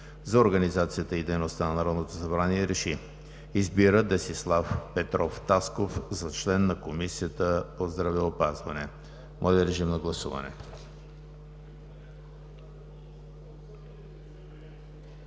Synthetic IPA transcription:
zɐoɾɡɐnizat̪sijət̪əid̪ɛjnost̪anɐnɐɾɔd̪not̪osɐbɾaniɛɾɛʃi | izbiɾəd̪ɛsislˠafpɛt̪ɾɔft̪askofzɐt͡ʃlɛnːɐkomisijət̪əpozd̪ɾɐvɛopazvɐnɛ | mʔɔjd̪əɾɛʒimnɐɡlˠɐsuvɐ̰nɛ̰

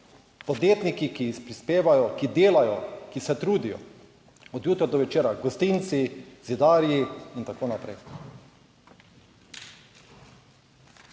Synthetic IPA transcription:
pɔd̪jeːt̪nikikispɾispeːʋajɔkid̪eːlajɔkisɛt̪ɾuːd̪ijɔ̰ | ɔd̪juːt̪ɾɔd̪ɔʋɛt͡ʃeːɾaɡɔst̪int̪sizid̪aːɾjiint̪akoːnapɾɛj

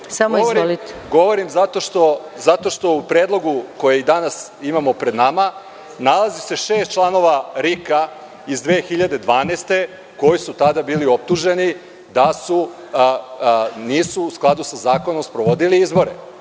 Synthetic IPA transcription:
samoiʋoɾilit̪ɡo̞ʋo̞ɾimzat̪o̞ʃt̪o̞ | zat̪o̞ʃt̪o̞upɾeːd̪lˠo̞ɡuko̞jeid̪anas | imamo̞pɾe̞d̪nama | nalˠazise̞ʃe̞ːst̪t͡ʃlˠano̞ʋaɾika | izd̪ʋeːxiʎad̪e̞d̪ʋaːneːst̪e̞ | ko̞jisut̪ad̪abiːlio̞p̚t̪uʒe̞ni | d̪asu | niːsuːsklˠad̪usazaːkonomspɾo̞ʋo̞d̪iliizbo̞ɾḛ

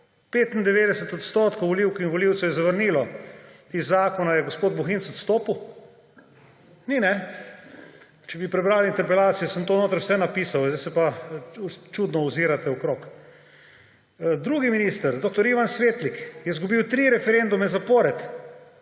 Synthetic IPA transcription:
peːt̪nd̪ɛʋeːd̪ɛsɛt̪ɔt̪st̪oːt̪kowʋɔliwkinʋɔliwt̪sɛwjɛzaʋəɾniːlɔt̪izaːkɔnajɛɡospoːd̪̚buxinsɔt̪st̪oːpuw | ninɛ | t͡ʃɛbipɾɛbɾaːlint̪ɛɾpɛlaːt̪sijɔsəmt̪oːnoːt̪ɾwsɛnapiːsawzd̪asɛpa | t͡ʃud̪nɔuziːɾat̪ɛɔkɾoːk | d̪ɾuːɡiminist̪əɾd̪oːk̚t̪ɔɾiʋansʋeːt̪likjɛzɡubiwt̪ɾiɾɛfɛɾend̪umɛzapoːɾɛt̪

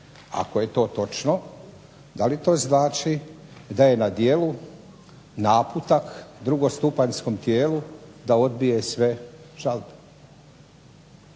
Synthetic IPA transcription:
a̰koje̞t̪o̞ːt̪o̞t͡ʃno | d̪alit̪o̞ːznaːt͡ʃid̪aje̞nad̪jeːlu | naːput̪akd̪ɾuɡo̞st̪upaɲsko̞mt̪jeːlud̪ao̞d̪bijesʋeʒ̥albe̥

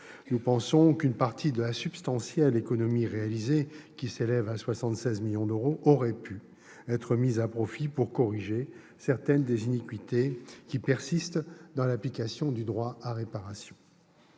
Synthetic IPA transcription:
nupɑ̃sɔ̃kynpaʁt̪ʰid̪əlasybst̪ɑ̃sjɛlekɔnɔmiʁealizekʲiselɛvaswasɑ̃t̪sɛzmiljɔ̃d̪øʁoʔɔʁɛpy | ɛt̪χəmizapχɔfipuʁkɔʁiʒe | sɛʁt̪ɛnd̪ezinikɥit̪ekʲipɛʁsist̪d̪ɑ̃laplikasjɔ̃d̪yd̪ʁwaaʁepaʁasjɔ̃

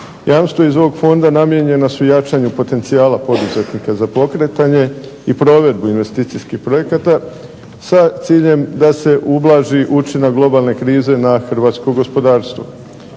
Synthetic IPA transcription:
jaːmst̪ʋoizo̞ʋo̞ɡfo̞nd̪anamje̞ɲe̞nasujat͡ʃaɲupo̞t̪e̞nt̪sijaːlapo̞d̪uze̞t̪nikazapo̞kɾe̞t̪aɲe̞ | ipɾo̞ːʋe̞d̪̚buinʋe̞st̪iːt̪iskixpɾo̞je̞kat̪a | sat̪siːʎe̞md̪ase̞ʔublˠaːʒiʔut͡ʃinaɡlˠo̞baːlˠne̞kɾiːze̞naxr̩ʋaːt̪skoɡo̞spo̞d̪aːɾst̪ʋo̰

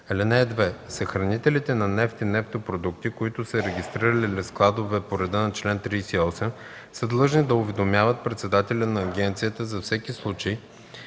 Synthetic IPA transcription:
ɛlɛnɛd̪vɛsɐxɾɐnit̪ɛlit̪ɛnɐnɛft̪inɛft̪opɾod̪ukt̪ikoit̪ʊsəɾɛɡʲist̪ɾiɾɐlilɛsklˠad̪ovɛpoɾɛd̪ənɐt͡ʃlɛnt̪ɾiːsɛiɔsɛm | səd̪lˠɤʒnid̪ɐʊvɛd̪omʲjavət̪̚pɾɛt̪sɛd̪at̪ɛlʲɐnɐːɡɛnt̪sijət̪əzɐfsɛkislˠut͡ʃej

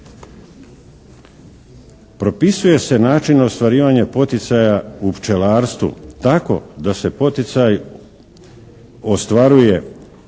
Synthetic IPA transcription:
pɾo̞pisuje̞se̞naːt͡ʃinost̪ʋaɾiːʋaɲepo̞t̪it̪sajaupt͡ʃe̞laːɾst̪ʋṵt̪ako̞̰d̪ase̞po̞t̪it̪saj | o̞st̪ʋaɾuje̞

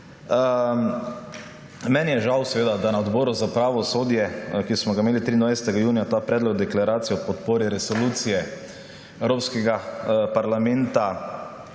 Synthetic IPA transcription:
mɛnjɛʒawsɛʋeːd̪ad̪anaɔd̪bɔːɾuzapɾaʋɔsoːd̪jɛkismɔɡameːlit̪ɾiːnd̪ʋajsɛ̥t̪ɛɡajuːnijat̪aːpɾɛːd̪lɔɡd̪ɛklaɾaːt̪sijɔpɔt̪poːɾiɾɛsɔluːt̪sijɛ | ɛwɾoːpskɛɡapaɾlamɛ̃nt̪a

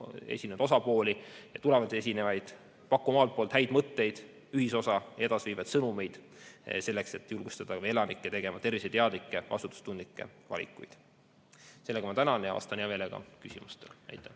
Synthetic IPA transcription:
e̞̰sʲind̪o̞sɑpo̞ːlijɑt̪ule̞vɑnt̪ie̞sinevɑjd̪̥ | pɑkːˑumɑːlt̪̚poːlt̪hæjd̪mɤt̪ːe̞jd̪̥ | yhiso̞sɑjɑe̞d̪̥ɑsviːvɑjd̪̥sɤnume̞jd̪̥ | se̞lːe̞kse̞t̪ːˑjulɡ̥ust̪ɑd̪̥ɑe̞lɑnikːet̪e̞ɡ̥e̞mɑt̪e̞rvis̬ejt̪eɑd̪likːˑe̞kɑ̰sut̪ːˑu̥st̪und̪likːˑe̞̰vɑ̰lʲḭkːˑujd̪̥ | se̞lːeɡ̥ɑmɑt̪ænɑnjɑvɑ̰st̪ɑnjɑve̞ːleɡɑ̰kysʲimust̪elnæ̰jt̪ːˑɑ

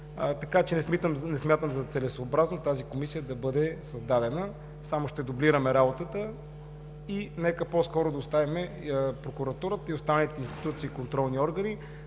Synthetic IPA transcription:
t̪ɐkat͡ʃɛnɛsmit̪əmnɛsmʲjat̪əmzɐt̪sɛlɛsoːbɾaznot̪azikomisijəd̪ɐbɤd̪ɛsɐzd̪ad̪ɛnə | samoʃt̪ɛd̪obliɾəmɛɾabot̪ət̪ə | inɛkəposkɔɾʊd̪ɐʊst̪avimɛ | pɾokuɾɐt̪uɾət̪əiost̪anəlʲit̪ɛinst̪i̥t̪ut̪siːkont̪ɾɔlˠniɔɾɡəni

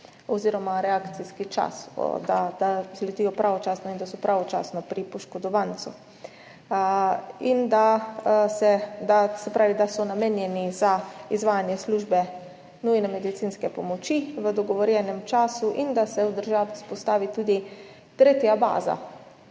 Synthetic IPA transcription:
ɔziːɾɔmaɾɛakt̪siskit͡ʃa̰sd̪ad̪azlɛt̪ijɔpɾʔaʋɔt͡ʃaːsnɔind̪asɔpɾaʋɔt͡ʃa̰ːsnɔpɾipɔʃkɔd̪ɔʋant̪sṵ | ind̪asɛd̪asɛpɾaːʋid̪asɔnameːnjɛnizaizʋaːjanjɛsluʒbɛ | nujnɛmɛd̪it̪sinskɛpɔmɔt͡ʃiʋəd̪ɔɡɔʋɔɾjɛnɛmt͡ʃaːsuʔind̪asɛwd̪əɾʒaːʋispɔst̪aːʋit̪uːd̪i | t̪ɾeːt̪jaba̰ːza̰

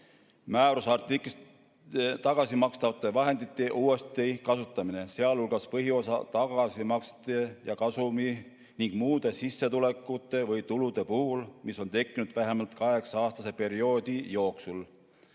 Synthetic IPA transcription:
mæːɾusɑrt̪iklis | t̪ɑɡ̥ɑsimɑkst̪ɑvɑt̪ːˑe̞vɑɦe̞nd̪̥it̪ːˑeʔuːe̞st̪ikɑsut̪ˑːɑmine̞seɑlulɡ̥ɑspɤɦio̞sɑ̰t̪ɑɡ̥ɑsimɑkst̪ejɑkɑsumi | niŋɡ̥muːd̪̥e̞sisːet̪ule̞kːˑut̪ːˑe̞vɤjt̪ulud̪̥e̞puhulmiso̞nt̪e̞kːinud̪̥væɦe̞mɑlt̪kɑɦe̞ksɑɑːst̪ɑse̞pe̞ɾio̞d̪̥ijo̞ːksul

